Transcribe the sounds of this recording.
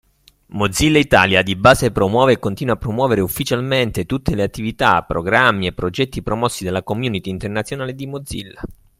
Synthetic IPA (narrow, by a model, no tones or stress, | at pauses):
mod̪zilːait̪a̰ːljad̪ibaːsepɾomwɔːveːkːont̪iːnwapːɾomwɔːveɾeufːit͡ʃalment̪et̪ut̪ːeleat̪ːivit̪a̰pːɾo̰ɡɾamːiepːɾod͡ʒɛt̪ːipɾomɔsːid̪alːakomjuːnit̪iːnt̪ernat̪sjonaːled̪imod̪zḭlːa